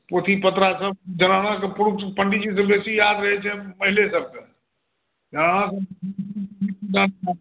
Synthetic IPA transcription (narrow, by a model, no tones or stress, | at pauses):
poːt̪ʰipɐt̪ɾasɐb̚d͡ʒɐnaːɽ̃ãkpʊɾʊpɐ̃ɳɖid͡ʑis̬ɐbʱesijaːd̪ɾɐɦet͡ʃʰemɐɦɪlesɐb̚ | d͡ʒɐnaːɽ̃ãsɐbɐiikid̪ãːnã